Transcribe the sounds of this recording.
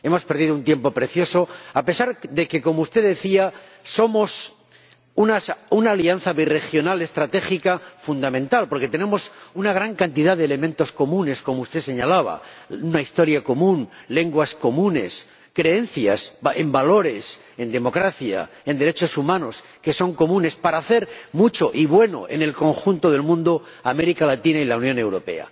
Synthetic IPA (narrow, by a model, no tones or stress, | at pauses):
e̞mo̞spe̞ɾðiðount̪je̞mpo̞pɾe̞θjo̞so̞ape̞saɾðe̞ke̞ko̞moust̪e̞ðe̞θiaso̞mo̞s | unaunaːlian̟θaβire̞xjo̞nale̞st̪ɾat̪e̞xikafund̪amẽnt̪alpo̞ɾke̞t̪e̞ne̞mo̞sunaɣ̞ɾaŋkant̪iðaðelemẽnt̪o̞sko̞mũne̞sko̞moust̪e̞se̞ɲalaβ̞a̰unaist̪o̞ɾjako̞mũnle̞ŋɡwasko̞mũne̞̰s | kɾe̞e̞nθjase̞mbalo̞ɾe̞s | e̞nd̪e̞mo̞kɾaθja̰ | e̞nd̪e̞ɾe̞t͡ʃo̞sumãno̞s | ke̞so̞ŋko̞mũne̞spaɾaːθe̞ɾmut͡ʃo̞ʔiβwe̞no̞̰ʔe̞̰ne̞lko̞ŋxunt̪o̞ðe̞lmũnd̪o | ame̞ɾikalat̪inailaunjone̞wɾo̞pe̞̰a̰